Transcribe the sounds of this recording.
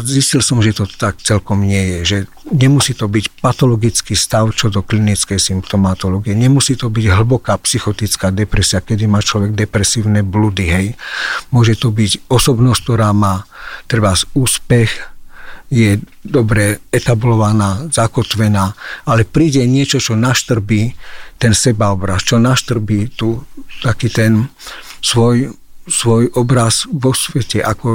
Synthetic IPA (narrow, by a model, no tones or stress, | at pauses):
ziscilsɔmʒɛt̪ɔt̪akt͡sɛlkɔmɲɪɛjɛʒɛ | ɲɛmusiːt̪ɔbicpat̪ɔlɔɡit͡skiːst̪aʊt͡ʃɔd̪ɔklinit͡skɛjsimpt̪ɔmat̪ɔlɔːɡijɛɲɛmusiːt̪ɔbiɟɦl̩bɔkaːpsixɔt̪it͡skaːd̪ɛpɾɛsiakɛd̪imaːt͡ʃlɔʋɛɡ̚d̪ɛpɾɛsiːʊnɛblud̪iɦɛjmʊɔʒɛt̪ɔbicɔsɔbnɔsct̪ɔɾaːmaːt̪ɾɛbasuːspɛx | jɛd̪ɔbɾɛɛt̪ablɔʋanaːzakɔt̪ʋɛnaːalɛpɾiːɟɛɲɪɛt͡ʃɔt͡ʃɔnaʃt̪r̩biːt̪ɛnsɛbaɔbɾast͡ʃɔnaʃt̪r̩biːt̪ut̪akiːt̪ɛn | sʋɔj | sʋɔjʔɔbɾazʋɔsʋɛcɛʔakɔ